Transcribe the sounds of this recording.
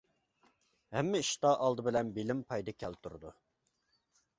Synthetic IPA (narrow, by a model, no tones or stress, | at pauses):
ɦɛmːɪiʃt̪ɑːʔɑlˠd̪ɨbɪlɛnbilɪmpʰɑjd̪ɨkʲʰɛlt̪ʰuɾud̪u